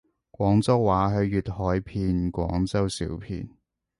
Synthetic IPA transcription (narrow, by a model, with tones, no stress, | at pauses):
kʷwɔː˨˥ŋt͡sɐ˥wːaː˨˥ɦɵ˨˧ɥːyː˨˩t̚hɔː˨˥jpʰiː˧nkʷɔ̰ː˨˥ŋt͡sɐ˥wsḭː˨˥wpʰḭː˧n